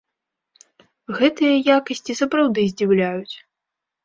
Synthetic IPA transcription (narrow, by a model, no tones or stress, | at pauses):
ɣɛt̪ɨjɐjakɐsʲt͡sʲisɐpɾawd̪ɨzʲd͡zʲiwlʲajut͡sʲ